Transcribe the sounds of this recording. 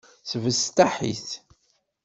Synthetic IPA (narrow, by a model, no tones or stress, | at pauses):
θəvəst̪aħḭθ